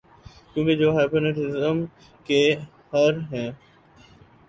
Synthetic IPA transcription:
kjũːked͡ʒoːɦaːpənɪʈɪzəm | ke | hɐɾɦɛ̃ː

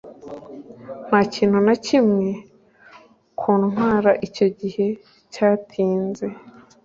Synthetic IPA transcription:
n̥haːciːn̥hunacimŋe̞ | kʰuːnnwaːɾaʔico̞ɟihe̞ | caːtʰiːnze̞

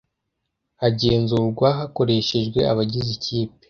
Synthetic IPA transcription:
aɟeːnzuːɾɡwaɦako̞ɾe̞ʃe̞ʒɡwe̞aβaɟiziciːp̚e̥

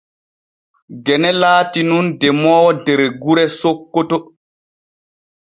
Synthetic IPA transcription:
ɡɛnɛlaːtinundɛmɔːwɔdɛɾɛɡuɾɛsokːotɔ

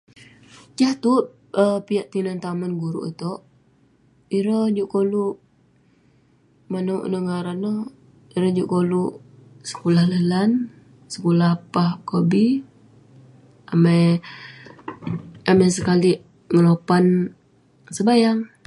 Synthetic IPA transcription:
d͡ʒaht̪u | əpijaʔt̪inant̪amənɡuɾṵʔt̪ɔʔ | iɾəd͡ʒuʔkoluʔ | manuwʔnəŋaɾanɔ | iɾəd͡ʒuʔkoluʔ | sə̥kulahləlan | sə̥kulapahkobi | amaj | amajs̬əkaliʔ | ŋəlopan | səbajaŋ

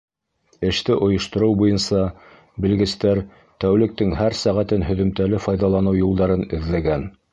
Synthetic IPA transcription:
ɘ̆ʃt̪ɘʔŏjŏʃt̪ŏɾɤwbujɤnsɑ | bɘ̆lɡɘ̆st̪æɾ | t̪æwlɘ̆k̚t̪ɘŋɦæɾsæʁæt̪ɘnɦɵ̆ðɵ̆mt̪ælɘfɑjðɑlˠɑnɤwjulˠd̪ɑɾɤnɘ̆ðlæɡæn

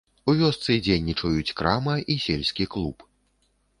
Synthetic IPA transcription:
uvʲɔst̪sɨd͡zʲenʲːit͡ʂɐjut͡sʲkɾamɐʔisʲelʲsʲkʲiklˠup

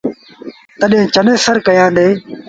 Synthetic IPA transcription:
t̪əɗẽːt͡ʃənẽːsəɾkəjãːd̪eː

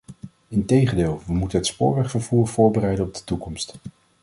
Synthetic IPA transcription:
ɪntejχəndeːlˠʋəmutənɦətspʊ̰ːɹʋɛχfəɹv̥uːɹv̥ʊːɹbərɛjdənɔb̚dətukɔmst

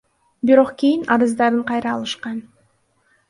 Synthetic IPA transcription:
biɾo̞qkʲijinɑɾɯzd̪ɑɾɯɴqʰɑjɾɑːlˠɯʃqɑn

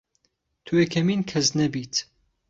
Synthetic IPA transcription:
t̪ʰuekʰɐmiːnkʰɐznɐbiːt̪

